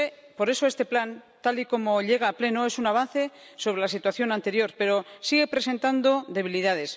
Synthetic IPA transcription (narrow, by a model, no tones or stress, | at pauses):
epo̞ɾe̞so̞est̪e̞plant̪aliko̞mo̞ʎe̞ɣ̞aːple̞noe̞sunaβ̞an̟θe̞so̞β̞ɾelasit̪waθjo̞nãnt̪e̞ɾjo̞ɾpe̞ɾo̞siɣe̞pɾe̞se̞nt̪and̪o̞ðe̞β̞iliðaðe̞s